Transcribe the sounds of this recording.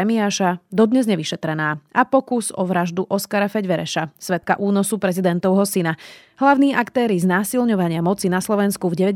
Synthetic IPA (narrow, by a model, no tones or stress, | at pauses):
ɛmiaːʃad̪ɔd̪ɲɛzɲɛʋiʃɛt̪ɾɛnaːʔapɔkuzɔʋɾaʒd̪uʔɔskaɾafɛɟʋɛɾɛʃasʋɛt̪̚ka̰ʔuːnɔsupɾɛzid̪ɛnt̪ɔʊɦɔsina | ɦlaʊniːʔakt̪ɛːɾiznaːsilɲɔʋaɲɪamɔt͡sinaslɔʋɛnskuvɟɛʋɛ